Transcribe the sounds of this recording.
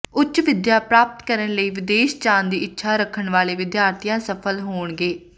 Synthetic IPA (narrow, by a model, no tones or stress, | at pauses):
ʊtːt͡ʃʋɪd̪jaːpɾaːp̚t̪kəɾəɳləiːʋɪd̪eːʃt͡ʃãːnd̪iːɪtːʃʰaːɾəkʰːəɳʋaːleːʋɪd̪jaːɾt̪ʰijãːsəpʰəlɦoːɳɡeː